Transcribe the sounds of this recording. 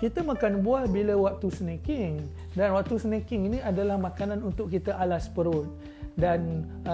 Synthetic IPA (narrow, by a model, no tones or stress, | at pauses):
kit̪əmakanbuahbilawak̚t̪usənakɪŋ | danwak̚t̪usənakɪŋinĩadalahmãkanãnunt̪ʊʔkit̪aʔalaspəɾʊt̪̚ | dan